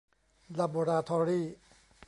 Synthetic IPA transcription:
la˧bo˧ɾaː˧t̪ʰɔ˧ɾiː˥˩

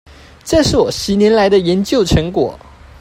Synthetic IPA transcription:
ʈ͡ʂɤ˥˧ʂɻ̩˥˩wɔ˨˩ɕ̩˧˥njɛ˧˥nla˧˥ɪd̪ə˧jɛ˧˥nt͡ɕjo˥˩ʊʈ͡ʂʰɤ˧˥ŋkwɔ̰˨˩˦

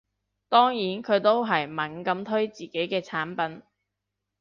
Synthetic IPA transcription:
t̪ɔː˥ŋjiː˨˥nkʰɵ˨˧ɥt̪o˥wɦɐ˨˩jmɐ˨˩nkɐ˨˧˥mt̪ʰɵ˥ɥt͡siː˨˩ke˨˥jkɛː˧t͡sʰaː˨˥npɐ˨˥n

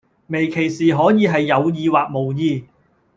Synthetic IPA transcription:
me˨˩jkʰe˨˩jsiː˨ɦɔː˨˥jiː˨˧ɦɐ˨jːɐ˨˧wjiː˨˧waː˨k̚mo˨˩wjiː˧

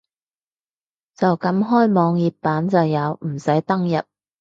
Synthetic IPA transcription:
t͡sɐ˨wkɐ˨˥mɦɔː˥jmɔː˨˧ŋjiː˨˩p̚pːaː˨˥nt͡sɐ˨wjɐ˨˧wm̩˨˩sɐ˨˥jt̪ɐ˥ŋjɐ˨p̚

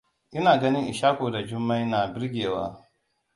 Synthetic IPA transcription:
ʔɪ˦naː˨ɡɐ˦nɪ˦ŋʔɪ˨ʃaː˦kʷoː˨da˨d͡ʒʊ˦mːa˦jnaː˨bɪ˦ɾɡʲeː˨wa̰ː˦

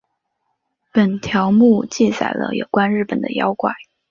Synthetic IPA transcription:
pə˨˩nt̪ʰjɑ˧˥ʊmu˥˧t͡ɕi˥˩t͡sa̰˨˩ɪlə̰˧jo˨˩ʊkwa˥nɻɻ̩˥˩pə˨˩nd̪ə˦jɑ˥ʊkwa˥˩˦ɪ

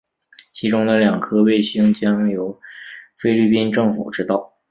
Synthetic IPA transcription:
t͡ɕʰi˧˥ʈ͡ʂʊ˥ŋd̪ə˨ljɑ˨˩ŋkʰɤ˥we˥˩ɪɕi˥ŋt͡ɕjɑ˥ŋjo˧˥ʊfe˥ɪli˥˩pi˥nʈ͡ʂɤ˥˩ŋfṵ˨˩ʈ͡ʂɻ̩˥t̪ɑ˥˩ʊ

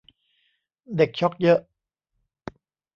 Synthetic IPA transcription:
de˨˩k̚t͡ɕʰɔ˦˥k̚jɤ˦˥ʔ

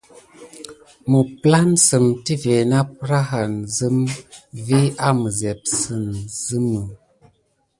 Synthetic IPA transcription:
mə˨pla˦nsɨ˨mti˦ve˨na˦p̚ɾa˦ɦa˨nzɨ˦mvi˦a˦mə˨zɛ˨p̚sɨ˨nzɨ˦mə˨

